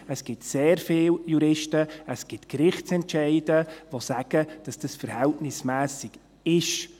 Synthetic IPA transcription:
əsɡ̥ɪtseːɾfɪːljuɾɪʃtəəsɡ̥ɪtkɾɪχtt͡sɛntʃɛɪdəʋosæɡ̥əd̥ɑsd̥əsfəɾhɛltnɪsmæːsɪɡ̥ | ɪʃ

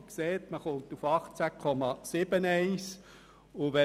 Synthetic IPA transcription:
kseːtməχʊmt̪ufɑχt͡sækʰɔmɑsɪbənɛɪs | ʊʋɛ

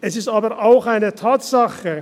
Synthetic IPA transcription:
ʔɛsɪstaːbəʁʔaʊxaɪnətʰaːtsaxə

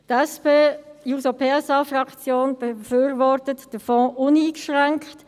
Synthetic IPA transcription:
tɛspeːjuːsopʰeːɛsɑːfrɑkt͡sjoːnb̥əføːɾvɔɾtətd̥əfɔ̃ːʔʊniːɡʃʁɛŋkt

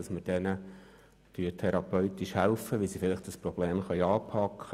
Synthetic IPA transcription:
ɑsməd̥ɛnə | tyːətʰɛɾɑpœɥt̪iʃhælfəʋilsifɪlɪχt̚d̥ɑspɾɔb̥leːmχœʏɑːpʰɑkχə

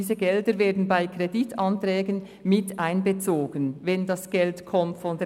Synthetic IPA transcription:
iːzəɡɛldəɾveːɐdn̩baɪkʁeditʰɑntʁɛːɡən | mɪtʔaɪnbət͡soːɡənvɛndɑsɡ̥ɛltkʰɔmtfɔnd

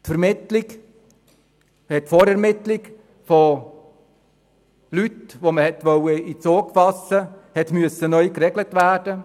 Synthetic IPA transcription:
tfɛɾmɪtliɡ | hɛtfoɾɛɾmɪtliɡ | fo | lytʋoməhɛtʋœwəit͡soːɡfɑsəhɛtmyəsːənœʏkɾɛɡlətvæːɾd̥ə

